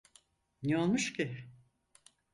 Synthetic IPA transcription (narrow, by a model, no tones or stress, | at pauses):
neolˠmuʃcʲɪ